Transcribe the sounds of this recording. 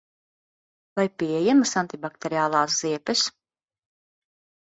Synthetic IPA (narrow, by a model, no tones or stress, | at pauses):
vajpiɛjɛmasant̪ʲibak̚t̪eɾiaːlˠaːsz̥iɛpɛs